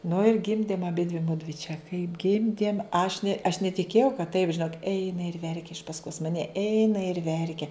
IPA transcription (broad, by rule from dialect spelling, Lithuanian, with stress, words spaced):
nʊ ɪr ˈɡʲɪmʲdʲeːm ɐˈbʲɪdʲʋʲɪ ˈmʊdʲʋʲɪ t͡ʃʲɛ kɐɪp ˈɡʲɪmʲdʲeːm ɐʃ nʲɛ ɐʃ nʲɛtʲɪˈkʲeːjɛʊ kɐt tɐɪp ʒʲɪˈnoːk ˈɛɪnɐ ɪr ˈʋʲɛrʲkʲɛ ɪʃ pɐsˈkoːs mɐˈnʲɛ ˈɛɪnɐ ɪr ˈʋʲɛrʲkʲɛ